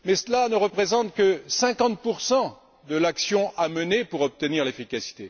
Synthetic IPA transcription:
mɛsəlanəʁəpχezɑ̃t̪kəsɛ̃kɑ̃t̪̚puʁsɑ̃ | d̪əlaksjɔ̃ʔamənepuʁɔp̚t̪əniʁlefikʲasi̥t̪e

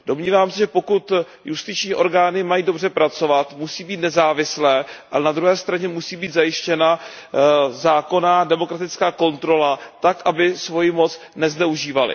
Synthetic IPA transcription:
do̞mɲiːvaːmsɛʒɛpo̞kut̪ | just̪ɪt͡ʃɲiːʔo̞ɾɡaːnɪmajiːdo̞br̝ɛpɾat͡so̞vat̪musiːbiːt̪̚nɛzaːvɪslɛːʔalɛnad̪ɾuɦɛːst̪ɾaɲɛmusiːbiːt̪zajɪʃcɛna | zaːko̞naːdɛmo̞kɾat̪ɪt͡skaːko̞nt̪ɾo̞lat̪akʔabɪsvo̞jɪmo̞t͡s | nɛznɛuʒiːvalɪ̰

